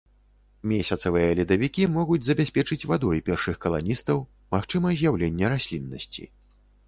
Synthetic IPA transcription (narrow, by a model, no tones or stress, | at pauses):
mʲesʲɐt̪sɐvɨjɐlʲid̪ɐvʲikʲimɔɣud͡zʲzɐbʲasʲpʲɛt͡ʂɨt͡sʲvad̪ɔjpʲɛrʂɨxkɐlˠa̰nʲist̪ɐw | maxt͡ʂɨmɐzʲjawlʲenʲːɛɾasʲlʲinːɐsʲt͡sʲḭ